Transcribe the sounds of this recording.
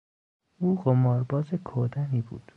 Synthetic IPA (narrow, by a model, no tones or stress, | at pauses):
uːɢomɒːɾbɒːzekʰod̪æniːbṵːd̪̥